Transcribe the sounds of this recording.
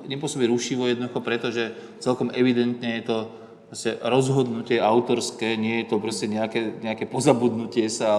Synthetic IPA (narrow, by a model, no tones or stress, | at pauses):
ɲɛp̬ʊɔsɔbiɾuʃiʋɔjɛd̪nɔd̪uxɔpɾɛt̪ɔʒɛ | t͡sɛlkɔmɛʋid̪ɛnt̪ɲɛjɛt̪ɔ | pɾɔscɛɾɔzɦɔd̪nucɪɛʔaʊt̪ɔɾskɛːɲɪɛjɛt̪ɔpɾɔscɛɲɛakɛɲɛakɛːpɔzabud̪nucɪɛsa